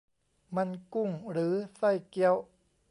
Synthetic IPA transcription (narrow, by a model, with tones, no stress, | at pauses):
ma˧nku˥˩ŋɾɯː˩˦sa˥˩jki˧˥əw